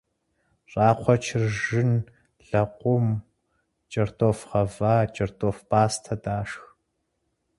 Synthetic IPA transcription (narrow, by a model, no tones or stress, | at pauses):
rʼɑːqʷʰɔt͡ʃʰɪrʒɨn | ɮɐqʷʼʊm | t͡ʃʼɐrtʰʼofʁɐvaːt͡ʃʼɐrtʼoːfb̥aːstʰɐdʼaːʂx